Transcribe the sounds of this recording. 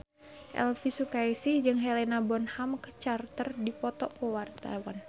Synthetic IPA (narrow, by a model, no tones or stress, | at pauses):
ʔɛ̰lfisukaisid͡ʒɨŋɦɛlɛnabɔnhamkə̥t͡ʃart̪ərdipɔt̪ɔkowart̪a̰wan